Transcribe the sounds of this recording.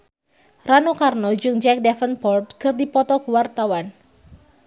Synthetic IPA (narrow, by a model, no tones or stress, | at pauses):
ranukarnɔd͡ʒɨŋd͡ʒɛk̚dɛfənpɔrt̪kɨrdipɔt̪ɔkəwart̪awan